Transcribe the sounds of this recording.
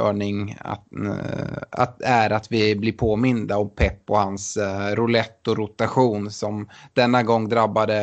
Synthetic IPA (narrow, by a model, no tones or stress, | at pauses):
œ̰ːɳɪŋa̰ | a̰æɾat̪vɪblɪɾpʰoːmɪnd̪aɔmpʰɛpːɔhansɾʊlɛt̪ːɔɾʊt̪aɧuːnsɔmd̪̥ɛnːaɡɔŋːd̪ɾabːad̪ə